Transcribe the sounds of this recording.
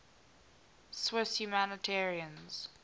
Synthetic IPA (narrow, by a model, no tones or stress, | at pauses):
swɪsjumænətʰɛːɹiə̃nz̥